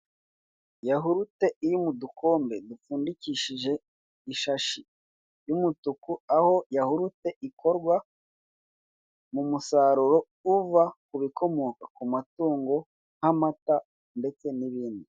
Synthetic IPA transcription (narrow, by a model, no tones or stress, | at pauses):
jaɦuɾute̞iɾimuduko̞ːmbe̞dufuːndiciʃiʒe̞ | iʃaʃi | jumutukuaho̞jahuɾute̞ʔikʰo̞ɾɡwa | mumusaɾuɾo̞ | uvakuβiko̞mo̞kakumatuːŋɡo̞ | hamata | nde̞t͡se̞niβiːndi